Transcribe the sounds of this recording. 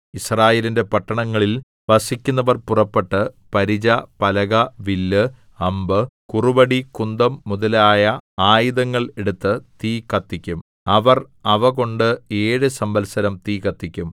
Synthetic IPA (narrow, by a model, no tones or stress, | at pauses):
israːjeːlinde̞pɐʈːɐɳɐŋːɐɭil | ʋɐsikʲːunːɐʋɐrpurɐpːeʈːɨpɐɾid͡ʑɐpɐlɐɣɐʋilːɨ | ɐmbɨkurubɐɽikund̪ɐmːuðɐlaːjɐaːjiðɐŋːɐɭe̞ɽut̪ːɨt̪iːkːɐt̪ːikʲːum | ɐʋɐr | ɐʋɐɣo̞ɳɖɨe̞ːɻɨsɐmbɐlsɐɾɐmt̪iːkɐt̪ːikʲːum